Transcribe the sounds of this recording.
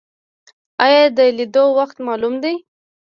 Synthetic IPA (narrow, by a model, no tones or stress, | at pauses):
ɑjɑd̪əlid̪owaxt̪mɑlumd̪aj